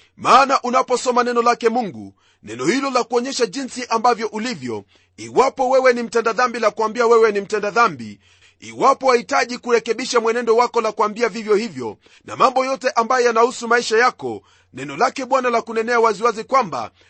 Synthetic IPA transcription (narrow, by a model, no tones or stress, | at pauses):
maːnaʔunapɔsɔmanɛnɔlakɛmuŋɡṵ | nɛnɔhilɔlakuɔɲɛʃaʄinsiʔambavjɔʔulivjɔ̰ | iwapɔwɛwɛnim̩tɛndaðambilakuwambiawɛwɛnim̩tɛndaðambḭ | ḭwapɔhahitaʄikuɾɛkɛɓiʃamwɛnɛndɔwakɔlakuwambiavivjɔhivjɔ̰ | na̰mambɔjɔtɛʔambajɔjanahusumaiʃajakɔ̰ | nɛnɔlakɛɓwanalakunɛnɛawaziwazikwamba̰